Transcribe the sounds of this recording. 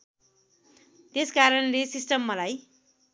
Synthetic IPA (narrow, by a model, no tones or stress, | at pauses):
t̪eskaɾʌnlesisʈʌmːʌlaj